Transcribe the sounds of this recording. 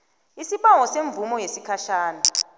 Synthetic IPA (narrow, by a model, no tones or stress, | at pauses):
isipaŋɔseɱbvumɔjesikʰaʃaːna